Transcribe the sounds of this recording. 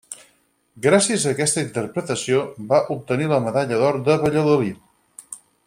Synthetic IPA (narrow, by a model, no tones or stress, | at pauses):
ɡɾasiəzəːkɛst̪əint̪ərpɾət̪əsiobaʔup̚t̪əniləməðaʎəðɔɾd̪əβəʎəðuli